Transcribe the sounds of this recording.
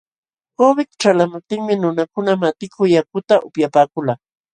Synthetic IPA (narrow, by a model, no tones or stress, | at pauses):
kobɪt̪ʈ͡ʂalamʊp̚t̪ɪŋmɪnʊnakʊnamat̪ɪkʰʊjakʊt̪aʔʊpjapaːkʊlaː